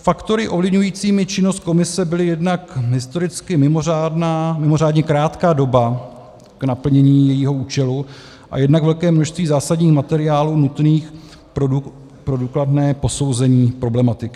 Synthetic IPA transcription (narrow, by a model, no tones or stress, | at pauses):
fakt̪o̞ɾɪʔo̞vlɪvɲujiːt͡siːmɪt͡ʃɪno̞st̪̚ko̞mɪsɛbɪlɪjɛdnakɦɪst̪o̞ɾɪt͡skɪmɪmo̞ɾaːdnaːmɪmo̞ɾaːdɲɛkɾaːt̪kaːdo̞ba | knapl̩ɲɛɲiːjɛjiːɦo̞ʔuːt͡ʃɛlu | ʔa̰jɛdnakvɛlkɛːmnoʃst̪viːzaːsadɲiːxmat̪ɛɾɪaːluːnut̪niːx | pɾu | pɾoduːkladnɛːpo̞so̞wzɛɲiːpɾo̞blɛmat̪ɪkɪ